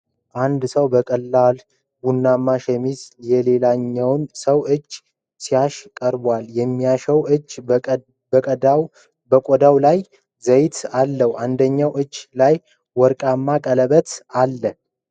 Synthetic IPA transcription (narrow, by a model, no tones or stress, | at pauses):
ʔand̪səwbəkʼəlːal | bunːamːaʃɛmizjɛle̞laɲːɛwnsəwɨt͡ʃː | sijaʃkʼəɾbwaljɛmːijaʃəwɨd͡ʒ | bəkʼəd̪aw | bəkʼod̪awlaj | zəjt̪alːəwʔand̪əɲːawʔɨt͡ʃːlaj | wɔɾkʼamːakʼələβət̪alːə